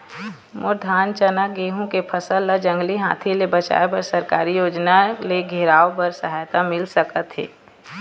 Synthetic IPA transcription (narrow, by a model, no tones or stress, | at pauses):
mʊɾd̪ʱaːnt͡ʃənaɡeːɦõkepʰɐsəlːad͡ʒɐ̃ŋɡliɦa̰ːt̪ʰilebɐt͡ʃa̰ːepəɾsɐɾkaːɾijoːd͡ʒnaleɡʱeɾaːopəɾsɐɦaːjt̪amɪlsəkət̪ɦɛ̰ː